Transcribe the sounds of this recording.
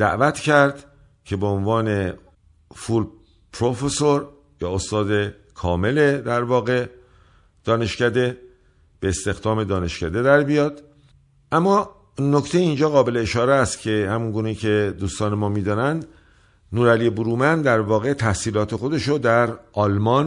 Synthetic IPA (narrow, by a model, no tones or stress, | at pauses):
d̪̥æ̰ʔvæt̪ʰcʰæɾd̪ | cʰe̞beonvɒːne̞ | ful | pʰɾofesoɾ | jɒːost̪ɒːd̪e̞ | kʰɒːme̞le̞d̪æɾvɒːɣe̞ | d̪̥ɒːne̞ʃcæd̪e̞ | b̥eːst̪e̞xd̪ɒːme̞d̪ɒːne̞ʃcæd̪e̞d̪æɾbijɒːd̪̥ | ʔæmːɒː | no̞ct̪ʰejeind͡ʒɒːɣɒːbe̞le̞ːʃɒːɾeæst̪cʰe̞hæmunɡuːneicʰe̞d̪uːst̪ɒːne̞mɒːmiːd̪ɒːnænd̪ | nuːɾælijebuɾuːmænd̪æɾvɒːɣe̞t̪ʰæhsiːlɒːt̪ʰe̞xo̞d̪e̞ʃod̪æɾʔɒːlmɒːn